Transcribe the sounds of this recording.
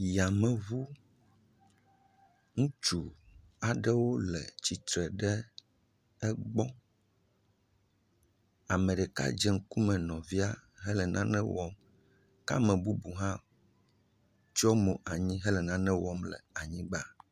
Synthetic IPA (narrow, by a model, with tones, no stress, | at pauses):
ja˨mɛ̃˨βu˦ | ŋũ˦t͡ʃu˨ | a˨ɖɛ˦wo˦lɛ̰˨t͡ɕi˨t̪ɾɛ˨ɖɛ˦ | ɛ˦ɡ͡bɔ˦ | a˨mɛ̃˨ɖɛ˨ka̰˦d͡ʒɛ˨ŋ̩˦ku˦mɛ̃˨nɔ̃˨vi˦a˦ɦɛ˦lɛ˨nʔã˦nɛ̃˦wɔ˦m | ka̰˦mɛ̃˨bu˦bu˨ɦã˦ | t͡ʃɔ˦mo˨ʔa˨ɲĩ˦ɦɛ˦lɛ˨nã˦nɛ̃˦wɔ˦mlɛ̰˨a˨ɲĩ˦ɡ͡ba˨